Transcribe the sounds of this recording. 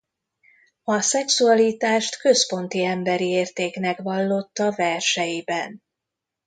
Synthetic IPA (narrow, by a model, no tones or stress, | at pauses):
ɒsɛksuɒliːt̪aːʃt̪kø̞spo̞n̪t̪iɛmbɛɾieːrt̪eːknɛkʋɒlːo̞t̪ːɒvɛrʃɛjibɛn